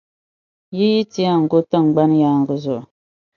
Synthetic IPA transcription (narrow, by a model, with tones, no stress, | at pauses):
ji˦ji˦ti˦a˦ŋ̩˨ɡo˦tɨ˦ŋ̩˨ɡ͡ba˦n˦jaː˦ŋ˨ɡə˨zʊ˨ʔʊ˨